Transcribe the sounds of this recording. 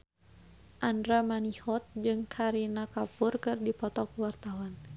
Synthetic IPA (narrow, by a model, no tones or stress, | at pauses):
ʔandɾamanihɔt̪̚d͡ʒɨŋkʰaɾinakapʊrkɨrdipɔt̪ɔkuwart̪awan